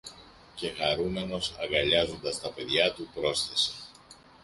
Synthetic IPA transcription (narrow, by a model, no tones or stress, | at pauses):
ce̞ɣɐɾume̞no̞sɐŋɡɐʎɐzo̞nd̪ɐst̪ɐpe̞ðʝɐt̪upɾo̞sθe̞si̥